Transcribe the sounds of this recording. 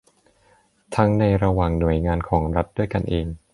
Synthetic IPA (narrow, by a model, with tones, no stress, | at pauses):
t̪ʰa˦˥ŋna˧jɾa˧waː˨˩ŋnu˨˩˦əjŋaː˧nkʰɔː˩˦ŋɾa˦˥t̪̚du˥˩əjka˧nʔeː˧ŋ